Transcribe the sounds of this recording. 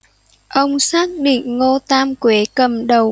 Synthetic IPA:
ʔə˧wŋ͡msaː˦˥k̚ɗḭ˧˨ŋ̟ŋo˧t̪aː˧mkwe˨˦kə˨˩mɗə˨˩w

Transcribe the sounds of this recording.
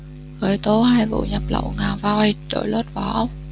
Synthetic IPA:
ɣəː˧˩jt̪o˨˦haː˧jvṵ˧˨ɲə˨˩p̚lə̰˧˨wŋaː˨˩vaː˧wjɗo̰˧˩jlo˦˥t̚vɔ˧˩˦

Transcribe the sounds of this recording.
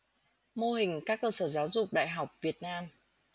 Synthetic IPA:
mo˧ɦï˨˩ŋ̟kaː˦˥kːəː˧səː˧˩zaː˨˦wzʊ˨˩k͡p̚ɗa̰ː˧˨jɦa˨˩wk͡p̚vi˨˩ət̚naː˧m

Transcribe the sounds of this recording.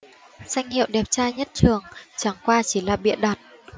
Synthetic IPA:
za˧jŋ̟hḭ˧˨wɗɛ˨˩p̚t͡ɕaː˧jɲə˦˥t̚t͡ɕɨ˨˩əŋt͡ɕa˧˩˦ŋkwaː˧t͡ɕi˧˩laː˨˩ɓḭ˧˨ənɗaː˨˩t̚

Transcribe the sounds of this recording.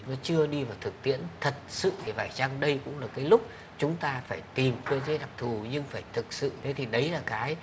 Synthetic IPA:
nɔ˨˦t͡ɕɨ˧əɗi˧vaː˨˩wt̪ʰɨ˨˩k̚t̪ḭ˧˥ənt̪ʰə˨˩t̚sɨ̰˧˨t̪ʰi˨˩vaː˧˩jt͡ɕaː˧ŋɗə˧jkʊ̰˧˥ŋ͡mlaː˨˩kaː˨˦jlʊ˦˥k͡p̚ | t͡ɕʊ˨˦ŋ͡mt̪aː˧faː˧˩jt̪i˨˩mkɨ˧əze˨˦ɗa˨˩p̚t̪ʰu˨˩ɲɨ˧ŋfaː˧˩jt̪ʰɨ˨˩k̚sɨ̰˧˨t̪ʰe˨˦t̪ʰi˨˩ɗə˨˦jlaː˨˩kaː˨˦j

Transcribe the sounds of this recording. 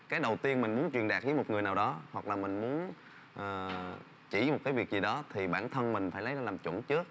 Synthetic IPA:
kaː˨˦jɗə˨˩wt̪i˧ənmï˨˩ŋ̟mu˨˦ənt͡ɕwi˨˩ənɗaː˨˩k̚vi˨˦mo˨˩t̚ŋɨ˨˩əjnaː˨˩wɗɔ˨˦hwa˨˩k̚laː˨˩mï˨˩ŋ̟mu˨˦ən | ʔəː˨˩ | t͡ɕḭ˧˩m˨˩t̚kaː˨˦jvi˨˩ək̚zi˨˩ɗɔ˨˦t̪ʰi˨˩ɓaː˧˩nt̪ʰə˧nmï˨˩ŋ̟faː˧˩jlə˨˦jzaː˧aː˨˩mt͡ɕwə˧˩nt͡ɕɨ˦˥ək̚

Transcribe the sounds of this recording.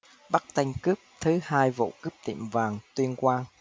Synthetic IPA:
ɓa˦˥k̚t̪a˧jŋ̟kɨ˦˥p̚t̪ʰɨ˨˦haː˧jvo̰˧˨kɨ˦˥p̚t̪ḭ˧˩əmvaː˨˩ŋt̪wi˧ənkwaː˧n

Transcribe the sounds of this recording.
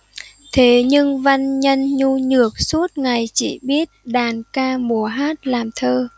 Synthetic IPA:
t̪ʰe˨˦ɲɨ˧ŋva˧nɲə˧nɲu˧ɲɨ˧˩ək̚su˦˥ət̚ŋa˨˩jt͡ɕḭ˧˩˦ɓi˦˥ət̚ɗaː˨˩nkaː˧mu˨˧˦əɦaː˦˥t̚laː˨˩mt̪ʰəː˧

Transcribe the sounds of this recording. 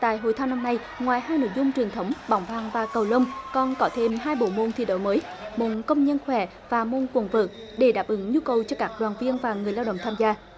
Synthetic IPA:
t̪a̰ː˧˨jɦo̰˧˨jt̪ʰaː˧wna˧mna˧j | ŋwaː˨˩jɦaː˧jno̰˧˥˨jzʊ˧ŋ͡mt͡ɕwi˨˩ənt̪ʰə˨˦wŋ͡mɓa̰˨˧˦wŋ͡mvaː˨˩ŋvaː˨˩kə˨˩wlə˧wŋ͡mkɔ˧˩nkɔ˨˦t̪ʰe˧mhaː˧jɓo̰˧˨˩mo˧˩nt̪ʰḭ˧˥ɗo̰˧˨˦jməː˨˦jmo̰˧˨nkə˧wŋ͡mɲə˧nxwɛ˧˩˦ | vaː˨˩mo˧˩nkwə˨˩nvəː˨˩k̚ | ɗe˧˩ɗaː˨˩p̚ʔɨ˨˦ŋɲu˧kə˨˩wt͡ɕɔ˧kaː˦˥k̚ɗwaː˨˩nvi˧ənvaː˨˩ŋɨ˨˩əjlaː˧wɗə̰˧˨ŋ͡mt̪ʰaː˧mzaː˧

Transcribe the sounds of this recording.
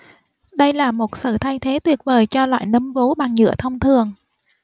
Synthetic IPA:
ɗə˧jlaː˨˩mo˨˩t̚sɨ̰ː˧˨˩t̪ʰa˧jt̪ʰe˨˦t̪wi˨˩ət̚vəː˨˩jt͡ɕɔ˧lwa̰ː˧˨jnə˨˦mvo˨˦ɓa˨˩ŋɲɨ̰˧˥ət̪ʰə˧wŋ͡mt̪ʰɨ˨˩əŋ

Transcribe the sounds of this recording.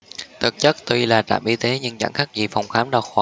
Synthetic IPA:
t̪ʰɨ˨˩k̚t͡ɕə˦˥k̚t̪wi˧laː˨˩t̪a̰ː˧˩mʔi˧t̪e˨˦ɲɨ˧ŋt͡ɕa̰˧˩ŋxa˦˥k̚zi˨˩fa˨˩wŋ͡mxaː˨˦mɗaː˧˩xwaː˨˧˩

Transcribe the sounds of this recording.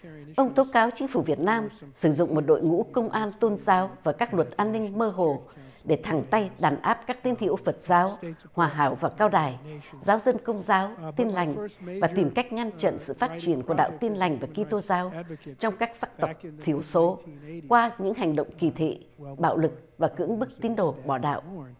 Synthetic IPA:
ʔə˧wŋ͡mt̪o˨˦kaː˨˦wt͡ɕï˨˦ŋ̟fu˧˩vi˨˩ət̚naː˧msɨ˧˩zʊ̰˧˨ŋ͡mmo˨˩t̚ɗo̰˧˨jŋṵ˧˥kə˧wŋ͡mʔaː˧nt̪o˧nzaː˨˦wvaː˨˩kaː˦˥k̚lwə˨˩t̚ʔaː˧nːï˧ŋ̟məː˧ɦo˨˩ | ɗe˧˩t̪ʰa˨˧˩ŋt̪a˧jɗaː˨˩nʔaː˦˥p̚kaː˦˥k̚t̪i˨˦ənt̪ʰḭ˧˨əwfə˨˩t̚z̥aː˨˦w | hwaː˨˩ɦaː˨˦wvaː˨˩kaː˧wɗaː˨˩jzaː˨˦wzə˧nkə˧wŋ͡mzaː˨˦wt̪i˧nla˨˩jŋ̟vaː˨˩t̪i˨˩mka˦˥jk̟̚ŋa˧nt͡ɕə̰˧˨nsɨ̰˧˨faː˦˥t̚t͡ɕi˨˩ənku˧˩əɗa̰ː˧˨wt̪i˧nla˨˩jŋ̟vaː˨˩ki˧t̪o˧zaː˨˦wt͡ɕɔ˧wŋ͡mkaː˦˥k̚saː˦˥k̚t̪ə˨˩wk͡p̚t̪ʰi˧˩əwso˨˦kwaː˧ɲɨ̰˧˥ŋɦa˨˩jŋ̟ɗo̰˧˨wŋ͡mki˧˩t̪ʰḛ˧˨ɓa̰ː˧˨wlɨ˨˩k̚vaː˨˩kɨ̰˧˥əŋɓɨ˦˥k̚t̪i˨˦ənɗo˨˩ɓɔ˧˩ɗa̰ː˧˨wʔ

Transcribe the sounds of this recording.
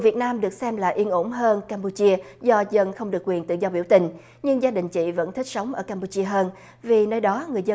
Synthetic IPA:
vi˨˩ət̚naː˧mɗɨ˨˩ək̚sɛ˧mlaː˨˩ʔi˧ənʔo˧˥mɦəː˧nkaː˧mpu˧t͡ɕi˧əzɔ˧zə˧nxə˧wŋ͡mɗɨ˨˩əkːwi˨˩ənt̪ɨ̰˧˨zɔ˧ɓi˧˩əwt̪ï˨˩ŋ̟ | ɲɨ˧ŋzaː˧ɗï˨˩ŋ̟t͡ɕḭ˧˨və̰˧˥nt̪ʰi˦˥k̟̚sə˨˦wŋ͡mʔəː˧˩kaː˧mpu˧t͡ɕi˧əɦəː˧n | vi˨˩nəː˧jɗɔ˨˦ŋɨ˨˩əjzə˧

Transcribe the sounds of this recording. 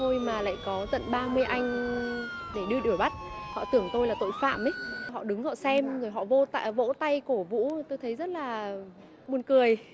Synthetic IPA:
t̪ʰo˧jmaː˨˩la̰ː˧˨jkɔ˨˦t̪ə̰˧˨nɓaː˧mɨ˧əjʔa˧jŋ̟ | ɗe˧˩ɗɨ˧əɗɨ˧˩əɓa˦˥t̚hɔ̰˧˨t̪ɨ˧˩əŋt̪o˧jlaː˨˩t̪o̰˧˨jfa̰ː˧˨mʔə˨˦jɦɔ̰˧˨ɗɨ˨˦ŋhɔ̰˧˨sɛ˧mzo˨˩jɦɔ̰˧˨vo˧t̪a̰˧˨vo̰˧˥t̪a˧jku˧˩əvṵ˧˥t̪o˧jt̪ʰə˨˦jzə˦˥t̚laː˨˩ | ɓu˧ənkɨ˨˩əj

